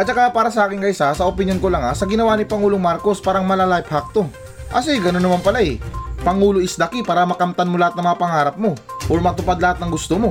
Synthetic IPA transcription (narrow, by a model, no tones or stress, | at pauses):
ʔɐt̪̚t͡ʃɐkapaːɾɐsɐʔaːkɪnkɐʔɪsasɐʔopɪnjonkolɐŋɐsɐɡɪnɐwanɪpɐŋuːloŋmaɾko̞spaːɾɐŋmɐlalajphak̚t̪o̞ | ʔɐsiɡɐnonːɐmanpɐlaʔɛpɐŋuːloʔɪsd̪ɐkɪpaːɾɐmɐkɐmt̪anmolɐhat̪̚nɐŋmɐŋapɐŋaːɾɐp̚mo̞ʔoɾmɐt̪ʊpad̪̚lɐhat̪̚nɐŋɡʊst̪omo̞